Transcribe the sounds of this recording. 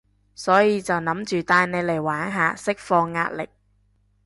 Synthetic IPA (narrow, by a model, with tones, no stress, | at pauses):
sɔː˨˥jiː˨˧t͡sɐ˨wnɐ˨˥mt͡ʃyː˨t̪aː˧jne˨˧jle˨˩jwaː˨˥nɦaː˨˧sɪ˥k̚fɔː˧ŋːa̰ː˧t̚lɪ˨k̚